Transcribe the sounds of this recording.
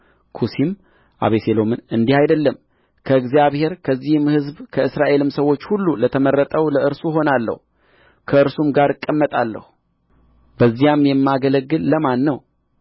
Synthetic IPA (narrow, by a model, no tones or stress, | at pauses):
kʰusim | ʔa̰βeselo̞mɨnɨnd̪ihajd̪əlːəm | kʰəɨɡzijaβhe̞ɾkʰəzːihmhɨzbkʰəɨsɾaʔe̞lɨmsəwo̞t͡ʃːhulːulət̪ʰəmərːət̪ʼəwləʔɨɾsuɦo̞nalːə̰hu | kʰəɨɾsumɡaɾɨkʼːəmːət̪ʼalːə̰hu | bəzːijamjɛmːaɡələɡːɨlːəmanːəw